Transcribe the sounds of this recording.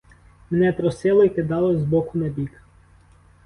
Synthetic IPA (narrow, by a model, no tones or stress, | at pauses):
menɛpɾɔsɪlˠɔikɪd̪ɑlˠɔzbɔkʊnɐbʲik